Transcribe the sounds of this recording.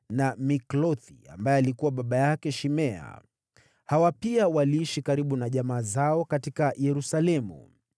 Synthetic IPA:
namiklɔθia̰mbajɛalikuwaɓaɓajakɛʃimɛa̰ | hawapiawaliiʃikaɾiɓunaʄamaːzaɔkatikajɛɾusalɛmṵ

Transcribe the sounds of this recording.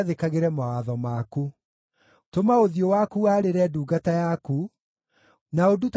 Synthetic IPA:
ðekaɣeɾɛmawaðɔmaku | tomaoðiowakuaːɾeɾɛduːɡatajaku | naodut

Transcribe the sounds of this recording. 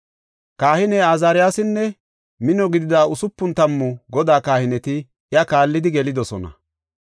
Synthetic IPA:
kaːhɪnɛaːzaːɾɪjaːsɪnːɛ | mɪnɔɡɪd̪ɪd̪aːʊsʊpːʊnt̪ɐmːʊɡɔd̪aːkaːhɪnɛt̪ɪ | jɐkaːlːɪd̪ɪɡɛlɪd̪ɔsɔnɐ̰

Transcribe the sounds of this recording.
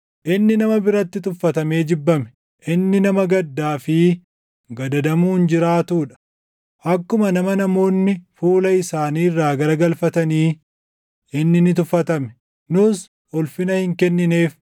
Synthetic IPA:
ʔɪnːɪnɐmɐbɪɾɐt̪ːɪt̪ʊfːɐt̪ɐme̞ːd͡ʒɪbːɐmɛ̥ | ʔɪnːɪnɐmɐɡɐd̪ːaːfɪ | ɡɐd̪ɐd̪ɐmuːnd͡ʒɪɾaːt̪uːᶑɐ̥ | ʔɐkːʊmɐnɐmɐnɐmo̞ːnːɪfuːlɐɪsaːniːrːaːɡɐɾɐɡɐlfɐt̪ɐniː | ʔɪnːɪnɪt̪̬ʊfːɐt̪ɐmɛ̥ | nʊs | ɔlfɪnɐhɪŋkɛnːɪneːf

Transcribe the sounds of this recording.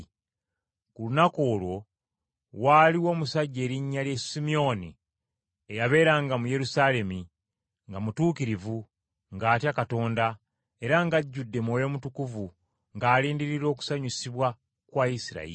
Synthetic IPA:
kulunako̞ːlwo̞ | waːliwo̞ːmusaɟːe̞ːɾiɲːaljesimio̞ni | ejaβe̞ːɾaŋɡamuje̞ɾusale̞mi | ŋɡamutuːkiɾivu | ŋɡaːtjakato̞ːnda | e̞ɾaŋɡaɟːudːe̞mojo̞mutukuvu | ŋɡaːliːndiɾiɾo̞ːku̥saɲisiβwa | kwaːjisiɾa̰ḭ

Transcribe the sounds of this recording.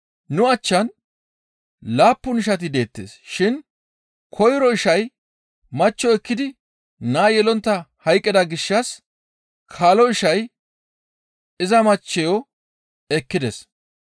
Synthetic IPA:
nʊɐt͡ʃːɐn | laːpːʊnɪʃ̬ɐt̪̬ɪd̪e̞ːt̪ːḛːsʃɪn | kʰɔjɾɔɪʃɐj | mɐt͡ʃːɔɛkːɪd̪ɪ | naːjɛlɔnt̪ːɐhɐjkʼːɪd̪ɐɡɪʃːɐs | kʰaːlɔɪʃɐj | ɪzɐmɐt͡ʃːɛjɔ | ɛkːɪd̪es

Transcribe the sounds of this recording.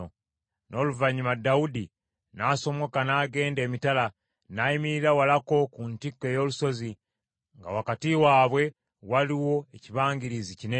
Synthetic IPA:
nʔo̞ːluvaɲimadaudi | naːso̞mo̞kanaːɡe̞ːnde̞ːmitala | naimiɾiɾawalako̞kuntikːe̞ːjo̞ːluso̞zi | ŋɡa̰wakatiwaːβwe̞ | waliwo̞eciβaːŋɡiɾizicine

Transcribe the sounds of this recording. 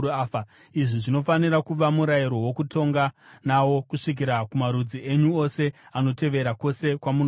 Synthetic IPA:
aːa | iʐiʐino̞fanirakuʋamuɾajiɾo̞wo̞kuto̞ŋɡanawo̞kuʂik̬iɾakumaɾud͡ziʔeɲuo̞se̞ano̞te̞ʋe̞ɾako̞se̞kwamun

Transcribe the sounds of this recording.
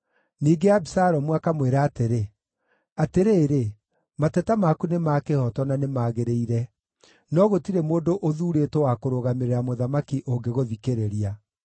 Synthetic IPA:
niːɡeabisaɾɔmwakamweɾaːteɾe | ateɾeːɾe | matɛtamakunemaːkehɔtɔnanemaːɣeɾeiɾɛ | nɔɣotiɾemoːdoʔoðuːɾeːtowakoɾoɣameɾeɾamoðamakiʔoŋɡeɣoðikeɾeɾia

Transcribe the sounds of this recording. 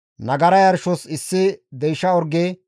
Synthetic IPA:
nɐɡɐɾɐjɐɾʃɔsɪsːɪd̪ɛjʃːɐɔɾɡeː

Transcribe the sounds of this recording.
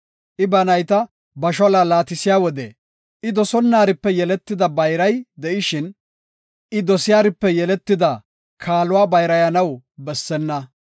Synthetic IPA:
ʔɪbɐnɐjt̪ɐ | bɐʃɔlalaːt̪ɪsɪjaːwɔd̪ɛ̰ | ʔɪd̪ɔsɔnːaːɾɪpːɛjɛlɛt̪ːɪd̪ɐbɐjɾɐjd̪ɛʔɪʃɪn | ʔɪd̪ɔsɪjaːɾɪpːɛjɛlɛt̪ːɪd̪ɐ | kʰaːlʊwaːbɐjɾɐjɐnɐwbɛsːɛnːɐ

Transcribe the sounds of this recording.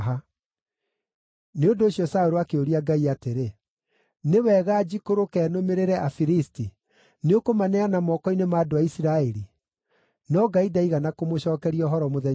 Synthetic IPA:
ɦa | neondoːɕjɔsaoɾoakeoɾiaɡaiateɾe | newɛɣaːd͡ʑikoɾokɛːnomeɾeɾɛʔafiɾisti | neokomanɛanamɔkɔinemaːdoaisiɾaeɾi | nɔɡaidaiɣanakomoɕɔːkɛɾiɔɦɔɾɔmoðɛ

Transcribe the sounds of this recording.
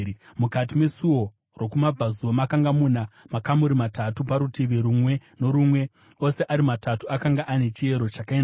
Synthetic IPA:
mukat̬ime̞suo̞ | ro̞kumab͡vazuwomakaŋɡamunamakamuɾimatatupaɾutiʋeɾumwe̞no̞ɾumwe̞ | o̞se̞ʔaɾimatatuakaŋɡaʔane̞t͡ʃie̞ɾo̞t͡ʃakaen

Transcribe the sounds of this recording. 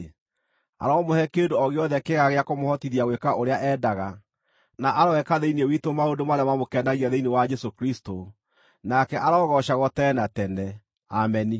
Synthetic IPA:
a̰ɾɔːmohɛkendoɔɣeɔðɛkeɣaɣeakomohɔtiðiaɣwekaʔoɾeaʔɛːdaɣa | naʔaɾawɛkaðeinewitomaondomaɾamamokɛndaɣiaðeinewad͡ʒɛsokɾisto | nakɛʔaɾɔːɣɔʃaɣɔtɛːnatɛnɛ | amɛni

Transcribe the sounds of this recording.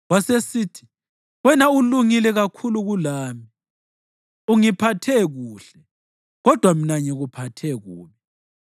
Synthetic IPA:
wasesiːtʰi̥ | wɛnauluŋilɛɣakʰuluɣulaːmi | uŋipʰatʰɛɣuːɬɛ | ɣɔd̥ʱwam̩naɲɛɣupʰatʰɛɣuːmi

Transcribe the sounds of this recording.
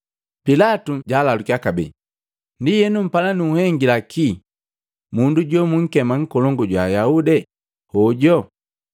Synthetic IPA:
pilatuɟaːlalukiakabɛ̰ | ndijɛnum̩palanuːhɛŋɡilakʰi | munduɟɔmuŋ̩kɛmaŋ̩kɔlɔŋɡɔɟwajaudɛ | hɔɟɔ

